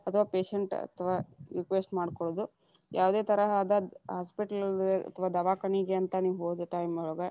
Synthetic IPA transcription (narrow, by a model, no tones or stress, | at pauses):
ɐt̪ʰɐʋaːpeːʃeɳʈɐ̰t̪ʰʋaːɾikʋesʈmaːɖkoɭod̪u | jʔaːʋd̪eːt̪ɐɾɐɦaːd̪ɐɦaːspiʈɐleɐ̰t̪ʰɐʋaːd̪ɐʋaːkɐɳiɡeɐnt̪ɐniːʋuɦoːd̪eʈɐjmɔɭɡɐ